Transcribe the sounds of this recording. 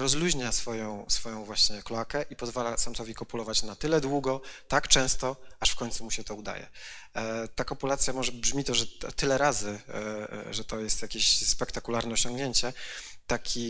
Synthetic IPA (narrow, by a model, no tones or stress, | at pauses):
ɾɔzluʑɲasfɔjɔ̃w̃sfɔjɔ̃w̃vwaɕɲɛkluakɛʔipɔzvalasamt̪ɔvʲikɔpulɔvat͡ɕnat̪ɘlɛd̪wuɡɔt̪akt͡ʂɛ̃w̃st̪ɔaʂfkɔɲʲt̪sumuɕɛt̪ɔud̪a̰jɛ̰ | t̪akɔpulat̪sʲjamɔʐɛbʐmʲit̪ɔʐɛ̰t̪ɘlɛɾazɘ | ʐɛt̪ɔjɛst̪jakʲeɕspɛkt̪akulaɾnɛɔɕɔ̃ŋɡɲeɲt͡ɕɛ | t̪akʲʰi